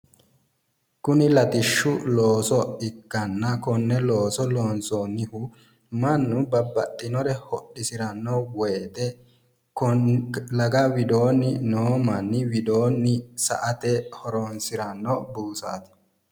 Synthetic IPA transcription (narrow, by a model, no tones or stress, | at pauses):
kʊnɪlɐt̪ɪʃːʊloːsɔɪkːɐnːɐkɔnːɛlo̞ːsɔloːnsonɪhʊ | mɐnːʊbɐbːɐt̪ʼːɪnɔɾɛhɔɗːɪsɪɾɐnːɔwɛjt̪ɛ | lɐɡɐwɪd̪o̞ːnɪnoːmɐnːɪwɪd̪oːnːɪsɐ̰ʔɐt̪ɛhɔɾonsɪɾɐnːɔbuːsa̰ːt̪ɪ̥